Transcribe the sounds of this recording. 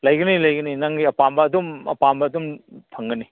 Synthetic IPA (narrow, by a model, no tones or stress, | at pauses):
lɐjɡɐnilɐjɡɐninɐŋɡiɐpambɐːdumɐ̰pambɐːdumtʰɐŋɡɐni